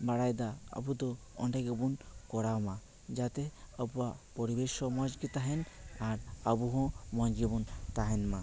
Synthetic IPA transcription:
baɽajd̪aa̰bud̪ɔ | ɔɳɖɛɡɛbunkɔɽawma | d͡ʒat̪ɛəbuapɔɾibesɔmɔd͡ʒɡit̪aɦɛnaɾəbuɦɔ̃mɔnɡɛbunt̪aɦɛnma

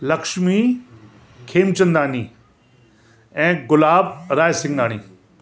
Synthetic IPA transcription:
lɐkʃmi | kʰeːmt͡ɕə̃nd̪aːni | ɛ̃ːɡʊlaːbɾaːjsɪ̃ŋɡaːɽ̃ḭː

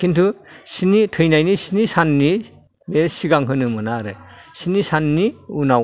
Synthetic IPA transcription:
kʰintʰusinitʰɯjnajnisinisanːi | beɾsiɡaŋɦɯnɯmɯnaɾɯsinisanːiunaw

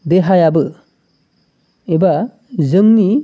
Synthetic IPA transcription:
beɦajabɯ | eba | zɯŋni

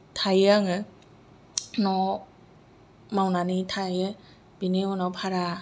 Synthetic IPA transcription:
tʰajaŋɯ | nɔ | mawnanitʰajɯ | b̥ineonɔpʰaɾa

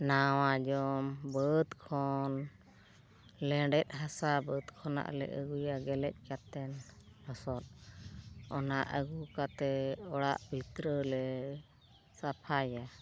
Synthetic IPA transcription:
nawad͡ʒɔmbət̪kʰɔn | lɛɖɛt̪̚ˀɦasabəd̪kʰɔna̰ʔlɛ̰ʔəɡujaɡɛlɛc̚ˀkat̪ɛnhɔsɔt̪̚ | ɔnaʔəɡukat̪ɛɔɽa̰ʔbʱit̪ɾəlɛ | sapʰaja

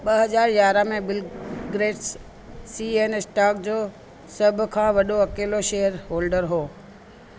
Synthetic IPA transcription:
ɓəɦɐzaːɾjaːɾamẽbɪlɡɾeːʈs | sienesʈaːkd͡ʑoː | sɐbʱkʰãʋɐɗoɐkeːloʃeɦəɾɦoːlɖəɾɦoː

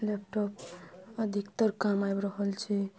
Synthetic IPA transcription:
lep̚ʈopəd̪ʱikt̪əɾkamajbɾəɦəlt͡ʃʰɛ

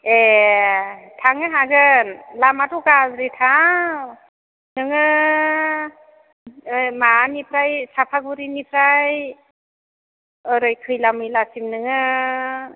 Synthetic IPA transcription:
e | tʰaŋɯɦaɡɯnlamatukazɾitʰa | nɯŋɯ | jmanipʰɾajsapʰaɡuɾinipʰɾaj | ɯɾɯjkʰɯjlamɯjlasimnɯŋɯ

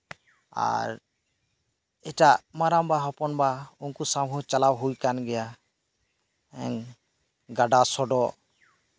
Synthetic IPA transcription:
a̰ɾ | ɛʈaʔmaɾambaɦɔpɔnbaunkusamɦɔt͡ʃalabɦujkanɡɛja | ɛŋ | ɡaɖasɔɖɔʔ

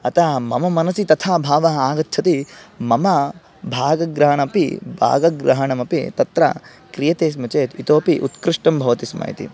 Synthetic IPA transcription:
ɐt̪aːmɐmɐmɐnɐsit̪ɐt̪ʰaːbʱaːʋɐɦaːɡɐt̪ːt͡ʃʰɐt̪imɐmɐ | bʱaːɡɐɡɾɐɦɐɳɐpḭbʱa̰ːɡɐɡɾɐɦɐɳɐmɐpḭt̪ɐt̪ɾɐ̰ | kɾijɐt̪eːs̬mɐt͡ʃeːt̪it̪oːpiʔut̪kɾiʂʈɐmbʱɐʋɐt̪ismɐa̰ːjḭt̪ḭ

